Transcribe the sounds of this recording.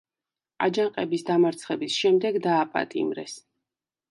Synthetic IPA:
a̰d͡ʒaŋqʼɛbisd̪amaɾt̪sʰχɛbisʃɛmd̪ɛɡd̪aːpʼa̰t̪ʼḭmɾɛ̰s

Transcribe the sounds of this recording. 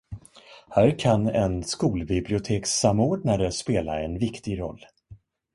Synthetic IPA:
hæːɾkʰanɛnskuːlbɪblɪʊt̪ʰeːksamoːɖɳaɾəspeːla̰ɛnvɪkt̪ɪɡɾɔ̰lː

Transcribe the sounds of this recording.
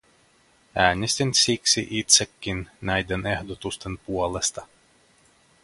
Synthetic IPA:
æːnʲɛsʲt̪ʲinʲsʲiksʲḭʔit̪sʲɛkʲːinːajd̪ʲanɛhd̪ɔt̪ust̪anpuɔlˠɛst̪a

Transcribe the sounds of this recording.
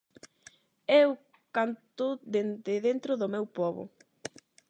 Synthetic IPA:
ew | kant̪oðend̪ɪðent̪ɾʊðʊmewpɔβʊ̰

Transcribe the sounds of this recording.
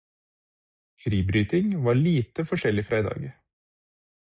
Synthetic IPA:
fɾiːbɾyːt̪ɪŋʋɑːɭiːt̪əfɔʃɛlɪfɾæːd̪ɑ̰ːɡ

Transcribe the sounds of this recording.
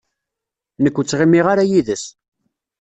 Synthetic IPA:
nəkʷːət͡sːʁimːiʁaɾajiðəs

